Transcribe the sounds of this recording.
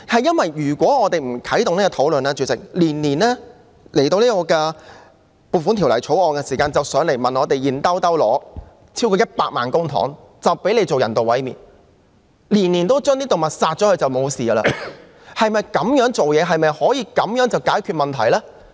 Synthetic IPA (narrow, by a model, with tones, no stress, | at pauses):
hɐ˨jːɐ˥nwɐ˨jyː˨˩kʷɔː˨˥ŋɔː˨˧t̪e˨jm̩˨˩kʰɐ˨˥jt̪ʊ˨ŋniː˥kɔ˧t̪ʰo˨˥wlɵ˨nlɛː˥t͡ʃyː˨˧˥t͡sɪ̰˨ŋ̚liː˨˩nliː˨˩nlɛː˥ | le˨˩jt̪o˧wliː˥kɔː˧kɛː˧ | puː˨fuː˨˥t̪ʰi˨˩wlɐ˨˩jt͡ʃʰo˨˥wɔː˨˧ŋkɛ˧siː˨˩kaː˧nt͡sɐ˨wsœː˨˥ŋle˨˩jmɐ˨nɔː˨˧t̪e˨jjiː˨˩nt̪ɐ˥wt̪ɐ˥wlɔ̰ː˨˧ | t͡sʰiː˥wkɔː˧˥jɐ˥t̚paː˧k̚maː˨nkʊ˥ŋt̪ʰɔ̰ː˨˥ŋ | t͡sɐ˨wpe˨˥jle˨˧jt͡so˨wjɐ̰˨˩nt̪o˨wɐ˨˥jmiː˨n | liː˨˩nniː˨˩nt̪o˥wt͡ʃœː˥ŋniː˥t̪o˨wmɐ˨t̚saː˧t̚t͡ʃɔː˨˥hɵ˧t͡sɐ˨wmo˨˧wsiː˨ɐ˧la̰ː˧ | hɐ˨jmɐ˨jkɐ˨˥mjœː˨˥ŋt͡so˨wjɛː˨˧ɦɐ˨jmɐ˨jhɔː˨˥jiː˧kɐ˨˥mjœː˨˥ŋt͡sɐ˨˩wkaː˨˥jkʰyː˧t̚mɐ˨˩nt̪ʰɐ̰˨˩jlɛː˥